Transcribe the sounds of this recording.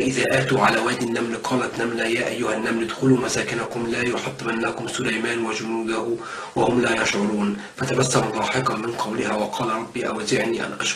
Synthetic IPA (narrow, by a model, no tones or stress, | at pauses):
ʔɪðaːʔaːt̪uːʕalaːwaːd̪ɪnːamlqʰɑːlat̪namlajaːʔajːʊhanːamlɪd̪xʊluːmasaːkɪnakʊmlaːjʊħɑt̪ˤːmanːakʊmsʊlajmaːnwad͡ʒʊnuːd̪ah | wahʊmlaːjaʃʕʊɾˤuːn | fat̪amasːɑɾˤɾˤɑːħɪqɑmɪnqɑwlɪhaːwɑqʰɑːlɾˤɑbːiːʔa̰wazɪʕniːʔa̰nʔaʃ